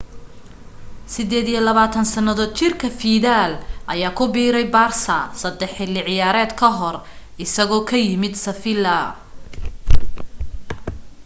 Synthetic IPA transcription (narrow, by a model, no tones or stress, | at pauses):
sɪd̪ɛːd̪ijɐlɐβaːt̪ʰɐnsɐnɐðɔːd̪̚t͡ʃʰɪrkʰɐfiːðaːlʔɐjaːkʰʊbiːɾɛjbaːrsɐsɐd̪ɛħɪlɪʕɪjaːɾɛːd̪kʰɐɦɔr | ʔɪsɐɣɔːkʰɐjɪmɪd̪sɐfɪlɐ